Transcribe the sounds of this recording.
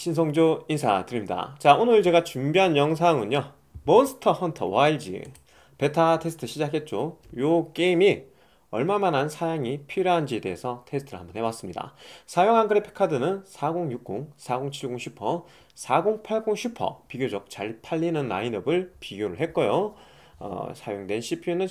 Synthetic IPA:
ɕʰinsʰʌŋd͡ʑoinsʰa̰tɯɾimɲida̰t͡ɕaonɯɭt͡ɕe̞ɡat͡ɕumbiɦanjʌŋs̬ʰaŋɯnɲjo | mosʰɯ̥tʰʌhʌntʰʌ̰waiɭd͡ʑḭ | pe̞tʰatʰe̞sʰɯ̥tʰɯɕʰid͡ʑakʰe̞t̚t͡ɕ͈ojok͈eimi | ʌɭmamanansʰajaŋipʰiɾʌɦand͡ʑiede̞esʰʌtʰe̞sʰɯtʰɯɾɯɭhambʌnɦe̞was͈ɯmɲida̰sʰajoŋɦaŋɡɯɾipʰe̥kʰadɯnɯnsʰaɡoŋjuk̚k͈uŋsʰaɡoŋt͡ɕʰiɭɡoŋɕʰipʰʌ | sʰaɡoŋpʰaɭɡuŋɕʰupʰʌ̰piɡjod͡ʑʌk̚t͡ɕaɭpʰaʎːinɯnːa̰inʌbɯɭpiɡjoɾɯɭɦe̞t̚k͈ʌjo | ʌ̰sʰajoŋdwe̞nɕʰipʰinɯn

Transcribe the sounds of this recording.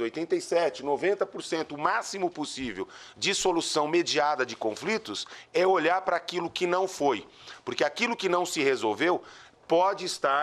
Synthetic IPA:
ojt̪ẽnt̪ejsɛt͡ʃɪnovẽnt̪ɐpoɾsẽnt̪ʊːmasimʊposivḛwd͡ʒɪsolusɐ̃w̃med͡ʒiad̪ɐd͡ʒɪkõflit̪ʊsɛoʎaɾpɾɐːkilʊkɪnɐ̃w̃foj | poɾkeakilʊkɪnɐ̃w̃sɪhezowvew | pɔd͡ʒɪːst̪aɾ

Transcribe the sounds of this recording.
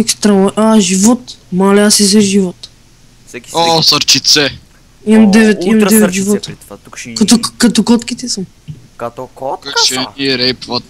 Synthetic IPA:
ɛkst̪ɾaɔʔaʒivɔt̪malɛasizɛʒivɔt̪ | osɐɾt͡ʃit̪sɛ | imɐmd̪ɛvɛt̪imɐmd̪ɛvɛt̪ʒivɔt̪əkɐt̪kɐt̪okɔt̪kit̪ɛsəm | kɐʃɛiɛɾɛjpvɐt̪̚

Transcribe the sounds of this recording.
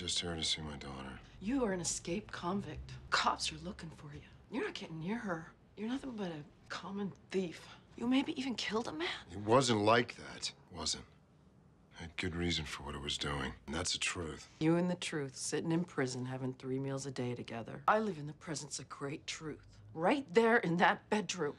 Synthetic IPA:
d͡ʒʌst̚hɜ̃˞ŋtɨsimaɪdɔ̰ɾə̰˞jɨə˞ɨ̃nɨskeɪp̚kʰɑ̃ɱvɪk̚tkʰɑpsə˞lʊkɪ̃ŋfə˞jɨjə˞nɨt̚ɡ̥ɛtnːɪɹə˞ | jə˞nʌθɪ̃ŋbʌɾɨ | kʰɑmə̃nθifjɨmeɪbiʔivɨ̃nkʰɪlˠdəmæ̃nɨt̚wʌzɨ̃nʔˡlaɪk̚ðæ̰twʌ̰zɨ̰̃nt̚ | ɨɡ̥ʊd̚ɹizɨ̃nfə˞wʌɾa̰wʌzduɪ̰̃ŋn̩ðætsɨtʰɹ̥ʉθjɨɨ̃nðɨtʰɹ̥ʉθsɪɾɪ̃ŋɨ̃npʰɹ̥ɪzɨ̃nɦævɪ̃ŋθɹimilˠzɨdeɪɾɨɡɛðə̰˞ʔaɪlɪvɨ̃nðɨpʰɹ̥ɛzɨ̃nsʌɡɹeɪtʰɹ̥ʉθ | ɹaɪt̪̚ðə˞ʔɨ̃nðɨt̚b̥ɛdɹʉ̃m

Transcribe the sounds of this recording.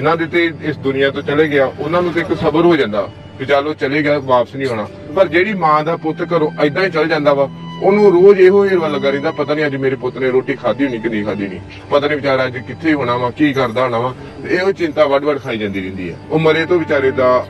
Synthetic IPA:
ɪnãːd̪eːt̪eːɪsd̪ʊnɪjãːt̪õːt͡ʃəleːɡɪaːʔʊnãːnũːt̪õːɪksəbəɾɦoːd͡ʒãːnd̪a̰ː | ʋɪt͡ʃaːɾoːt͡ʃəleːɡɪjaːʋaːpəsnĩːɦoːɽaː | pəɾd͡ʒeːɽiːmãːd̪aːpʊt̪kəɾõːʔəɪd̪ãːiːt͡ʃəld͡ʒãːnd̪aːʋaːʊnũːɾoːd͡ʒeːɦoːɦeːɾʋaːləɡaːɾẽːnd̪aːpət̪aːnĩːəd͡ʒmeːɾeːpʊt̪neːɾoːʈiːkʰaːd̪iːoːniːkəniːkʰaːd̪iːonḭː | pət̪aːnĩːʋɪt͡ʃaːɾːəd͡ʒkɪt̪ʰːeːɦoːɽaːʋãːkiːkəɾd̪aːɦoːɳaːʋãː | eːɦoːt͡ʃɪ̃nt̪aːʋəɖʋəɖkʰaːiːd͡ʒãːnd̪iːɾẽːnd̪ḭːɦɛ̰ːʊːməɾeːt̪õːʋɪt͡ʃaːɾeːd̪aː

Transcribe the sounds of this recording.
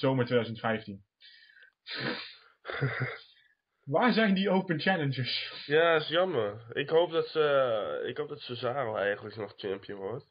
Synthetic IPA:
z̥owməɹtʋejdœzəntfɛjftin | ʋaːɹzɛjndiowpənt͡ʃɛlənd͡ʒəsjaːsjɑməɹɪkɦowp̚dɑtsəɪ̰kɦowp̚dɑtsəzaːɾəlˠɛjχənləknɔχt͡ʃɛmpjəʋɔɹt

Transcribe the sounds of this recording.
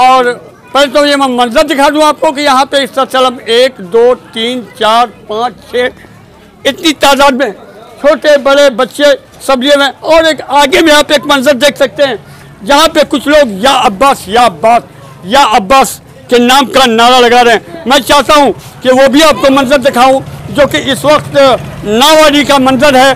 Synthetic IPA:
ɔːɾ | pɛːlet̪ojemɛ̃ːmɐ̃nzəɾd̪ɪkʰaːt̪ɦũaːp̚kokijɐɦãpeɪskat͡ʃɐləmeːkd̪oːt̪iːnt͡ʃaːɾpãːt͡ʃt͡ʃʰɛː | ɪt̪nit̪aːd̪aːd̪mẽt͡ʃʰoːʈebɐɽebɐtːʃe | sɐbliemẽɔːɾeːkaːɡemẽaːpeːkmɐ̃nzəɾd̪eːkʰsɐk̚t̪eɦɛ̃ː | d͡ʒɐɦãpekʊt͡ʃʰloːɡjaɐbːaːsjaɐbːaːs | jaʔɐbːaːs | kenaːmkanaːɾalɐɡaːɾeɦɛ̃mɛ̃ːt͡ʃaːɦt̪aɦũkiʋobʱiaːp̚komɐ̃nzəɾd̪ɪkʰaːũd͡ʒoːkeʔɪsʋɐkt̪naːʋaːɽikamɐ̃nzəɾɦɛː

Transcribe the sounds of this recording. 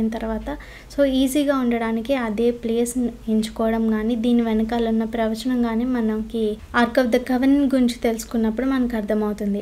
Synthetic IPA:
inɐt̪ɐɾʋaːt̪ɐ | so̞ːiːziːɡaːuɳɖɐɽaːnikiɐd̪e̞ːpleːsniiɲt͡ʃu̥kɔːʋɐɽɐmɡaːniːd̪iːniʋɛnɐkaːlunːɐpɾɐʋɐt͡ʃɐnɐmɡaːneːmɐnɐmkiaːɾkɐʋd̪ɐkɐʋɐninɡuiɲt͡ʃi̥t̪e̞lusu̥kunːɐpːuɽumɐnɐkiɐɾd̪ʰʱɐmɐwut̪und̪i

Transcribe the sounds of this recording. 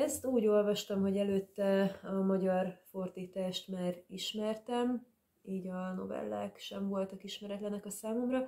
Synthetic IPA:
ɛst̪uːɟo̞lvɒʃt̪ɒmɦo̞ɟɛløːt̪ːɛɒmɒɟɒrfo̞rd̪iːt̪aːʃt̪maːriʃmɛrt̪ɛm | iːɟɒno̞̰vɛ̰lːa̰ːkʃɛɱvo̞lt̪ɒkiʃmɛɾɛt̪lɛnɛkɒsaːmo̞mrɒ

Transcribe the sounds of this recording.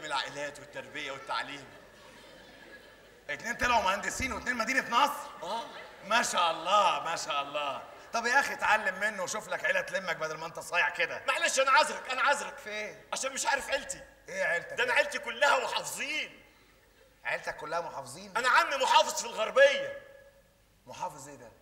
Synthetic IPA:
æmelʕa̰ʔelæːt̪wet̪ːæɾˤbejæwet̪ːa̰ʕliːm | ʔet̪neːnt̪ælæwmæʕænd̪esiːnwet̪neːnmæd̪iːnæt̪nɑsˤɾʔæːmæʃæːʔɑlˤːɑːmæʃæːʔɑlˤːɑː | t̪ˤɑbjæʔæxit̪ʕalːemːenːowæʃuflækʕelæt̪lemːæk̚bæd̪ælmæʔent̪æsˤɑːjeʕked̪æmæʕlæʃʔænæʕazɾækʔænæʕazɾækfeːʕaʃæːnmeʃʕaʕːɾefʕelt̪iʔeːʕelt̪æd̪ʔænæʕelt̪ikolːæhæmoħɑfezˤiːn | ʕelt̪ækːolːæhæmoħɑːfezˤiːnʔænæʕamːimoħɑːfezˤfilɣɑɾˤbejːæ | moħɑːfezˤʔeːd̪æ

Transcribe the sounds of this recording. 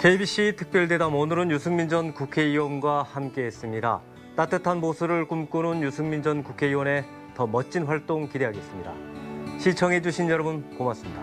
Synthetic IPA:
ke̞ibiɕ͈itʰɯ̥k̚p͈jʌɭde̞damonɯɾɯnjusʰɯŋmind͡ʑʌnkukʰe̞iwʌnɡwahamk͈e̞ɦes͈ɯmɲida̰ | t͈at͈ʰɯtʰanmosʰuɾɯɭkumk͈ununjusʰɯŋmind͡ʑʌnkukʰe̞iwʌne̞ | tʌmʌt͡ɕ͈ʰinɸwaɭt͈oŋkide̞ɦaɡe̞s͈ɯmɲida̰ɕʰit͡ɕʰʌŋɦe̞d͡ʑuɕʰinjʌɾʌbunkomas͈ɯmɲida

